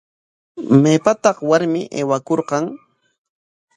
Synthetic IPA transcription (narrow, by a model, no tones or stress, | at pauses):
meːpat̪ɑχwaɾmɪʔḛːwakoɾqɑŋ